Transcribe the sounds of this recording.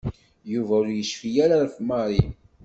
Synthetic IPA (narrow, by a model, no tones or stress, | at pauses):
juvæʊɾjəʃfijæɾaɾfmɑɾˤin